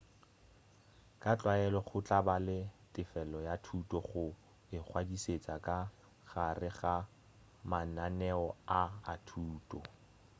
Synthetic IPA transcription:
kʼat͡ɬʼwaɛlɔχʊt͡ɬʼabalɪtʼɪfɛlɔjatʰutʼɔχʊ | ɪk͡xʰwadiset͡sʼakʼa | χarɪχa | mananɛɔaatʰuːtʼɔ

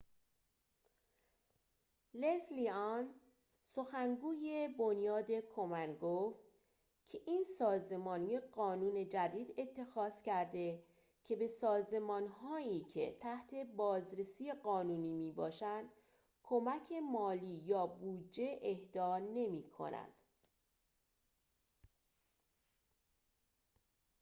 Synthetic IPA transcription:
lesliɒn | so̞xæŋɡuːjebo̞njɒːd̪e̞kʰo̞mænɡoːft̪ | cʰe̞ʔiːnsɒːze̞mɒːnijeɢɒːnuːne̞d͡ʒæd̪iːd̪e̞t̪ʰːe̞xɒːz̥cʰæɾd̪e̞ | cʰe̞be̞sɒːze̞mɒːnhɒːiːcʰe̞̰t̪ʰæht̪ʰe̞bɒːzɾe̞siːeɢɒːnuːniːmiːbɒːʃænd̪̥ | kʰo̞mæcʰe̞mɒːliːjɒːbuːd͡ʒːe̞ʔehd̪̥ɒːne̞miːkʰo̞̰næ̰nd̪̥

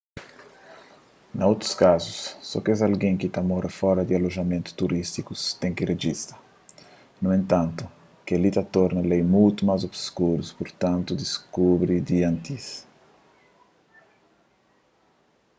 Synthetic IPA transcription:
nɐowt̪ɾu̥skazusːɔ̰kezalɡẽŋkit̪amɔɾɐfɔɾɐd̪ialoʒɐmẽnt̪u̥t̪uɾist̪ikust̪ẽŋkireʒist̪ɐ | nuẽnt̪ãnt̪u | kealit̪at̪ɔɾnɐlejmujt̪umazobskuɾuspoɾt̪ãnt̪ud̪iskubɾid̪iãnt̪is

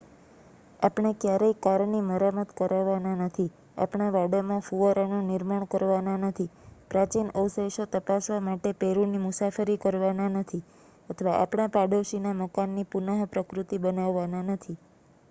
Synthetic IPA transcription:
apɳ̃ekjaɾəikaɾniməɾamət̪kəɾaʋːananət̪ʰi | a̰pɳaʋaɽomãfuʋəɾanonɪɾmaɳ̃kəɾʋananət̪ʰipɾat͡ʃinəwseʃot̪əpasʋamaʈepeɾunimʊsafəɾikəɾʋananət̪ʰi | ət̪ʰʋaʔa̰pɳ̃apaɖoʃinaməkanːipunəɦpɾəkɾut̪ibənaʋːananət̪ʰi

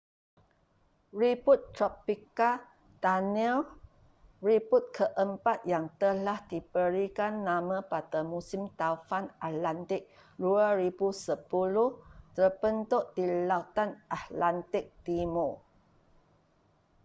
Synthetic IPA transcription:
ɹiput̪ːɾɔpika | d̥anil | ɹiput̪̚kʰəʔəmpat̪̚jaŋt̪əlahdibəɾikanːãmãpadamusimt̪afanat̪lant̪ɪk̚ | duaɾibusəpulʊht̪ərbənt̪oʔd̥ilaut̪anʔat̪lant̪ɪk̚t̪imo

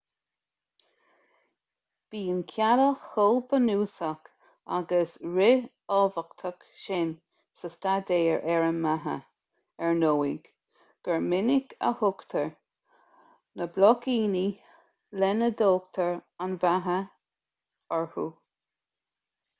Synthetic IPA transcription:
b̥iːənkʰjaɾəxhɔlbənuːsək | a̰ɡəsɹɪ | ɔːvəkt̪ʰək | ʃɪn | səstad̪eːɹʔɛɹəmːaɦə̰ | ɛɹnoːiɡ̥ | ɡ̥əɹmɪnɪɡə̰hʊkt̪ʰəɹ | nəblɔkiːni | lɛnəd̪oːkt̪ʰəɹanvaɦə | ɔɹhu

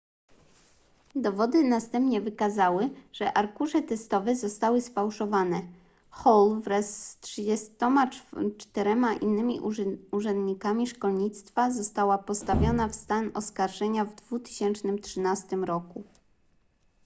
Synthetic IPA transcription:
d̪ɔvɔd̪ɘnast̪ɛmpɲɛvɘkazawɘʐ̥ɛʔaɾkuʐɛt̪ɛst̪ɔvɛzɔst̪awɘsfawʂɔvanɛ | xɔlvɾɛsːtʂɘd͡ʑɛst̪ɔmat͡ʂt̪ɛɾɛmaʔinːɘmʲiʔuʐɛnd̪ɲikamʲiʂkɔlɲit̪st̪fazɔst̪awapɔst̪avʲjɔnafst̪anɔskaɾʐɛɲavd̪vut̪ɘ̥ɕɛnt͡ʂnɘmt̪ʂɘnast̪ɘmɾɔku

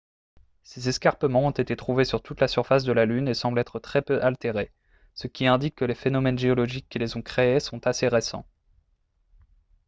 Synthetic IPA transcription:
sezɛskaʁpəmɑ̃ɔ̃t̪et̪et̪χuvesyʁt̪ut̪lasyʁfas̬d̪əlalynesɑ̃blɛt̪χət̪χɛpøʔalt̪eʁe | səkʲiɛ̃d̪ikːəlefenɔmɛnʒeɔlɔʒikʲːilezɔ̃kχeesɔ̃t̪aseʁesɑ̰̃

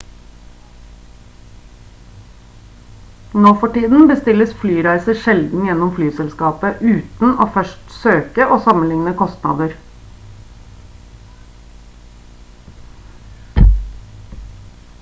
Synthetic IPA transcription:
noːfɔʈiːd̪n̩bəst̪ɪləsflyːɾæɪsəʃɛld̪n̩jɛnɔmflyːsɛlskɑːpəʔʉːt̪n̩ʔoːfœʃʈsøːkəʔoːsɑmənlɪŋnəkʰɔst̪nɑ̰ːd̪əɾ

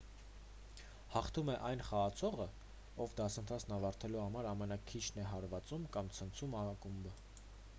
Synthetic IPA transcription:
hɑχt̪ʰumɛʔɑjnχɑːt͡sʰɔʁə | ɔvd̪ɑsənt̪ʰɑt͡sʰnɑvɑɾt̪ʰɛluhɑmɑɾɑmɛnɑkʰit͡ʃʰn̪ɛɦɑɾvɑt͡sumkɑmt͡sʰənt͡sʰumɑkumbə

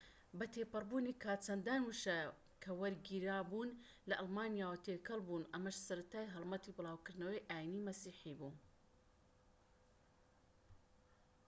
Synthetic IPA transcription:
bɐt̪ʰeːpɨrˤbuːniːkʰaːt͡sʰɐnd̪aːnwuʃɐ | kʰɐwɐɾɡiːɾaːbuːn | lɐʔɐlmaːnijaːwɐt̪ʰeːkʰɐlˠbuːnʔɐmɐʃsɐɾɐt̪aːjɦɨlˠmɐt̪iːbɨlˠaːwkɨɾd̪nɐwɐjʔaːjinimɐsiːħiːbuːn

